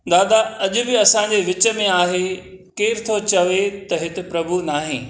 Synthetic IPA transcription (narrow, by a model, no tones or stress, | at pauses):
d̪aːd̪aɐʄʊ̆bɪɐsãːɲ̆d͡ʑeʋɪt͡ɕə̆mẽaːɦe | keːɾɪt̪ʰot͡ɕɐʋet̪ɐɦɪt̪ɪ̆pɾɐbʱunaːɦẽː